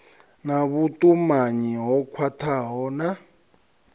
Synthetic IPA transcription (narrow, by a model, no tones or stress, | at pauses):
naβutʼumaɲiɦɔkʰwatʰaɦɔna